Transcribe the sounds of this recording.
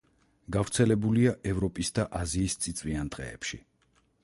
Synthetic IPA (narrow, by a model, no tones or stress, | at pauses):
ɡ̥avɾt̪sʰɛlɛbuliaʔɛvɾɔpʼisd̪aʔaziːst̪sʼit̪sʼviand̪ʁɛ̰ːpʃḭ